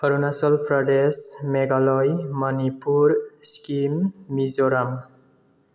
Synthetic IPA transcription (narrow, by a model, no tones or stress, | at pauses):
ʌɾunasɔlpɾʌɖesmeɡalɔjmʌnipuɾskimːizoɾam